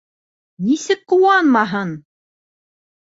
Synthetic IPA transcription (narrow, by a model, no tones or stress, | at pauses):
nisɘk̚qŏwɑnmɑɦɤn